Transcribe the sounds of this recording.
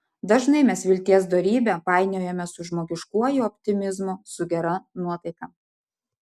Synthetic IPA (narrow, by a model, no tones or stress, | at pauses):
d̪ɐʒnɐɪmʲɛsʋʲɪlʲt̪ʲiɛs̬d̪oɾʲiːbʲɛpɑˑɪnʲoːjɛmʲɛsʊʒmoːɡʲɪʃkuɔjʊɔpʲt̪ʲɪmʲɪzmʊsʊɡʲɛɾɐnuɔt̪ɐɪkɐː